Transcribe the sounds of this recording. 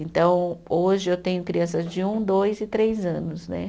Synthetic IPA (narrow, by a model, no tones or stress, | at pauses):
ẽnt̪ɐ̃w̃oʒɪewt̪ẽɲʊkɾiɐ̃sɐzd͡ʒɪũd̪ojzɪt̪ɾejzɐ̃nʊsnɛ̰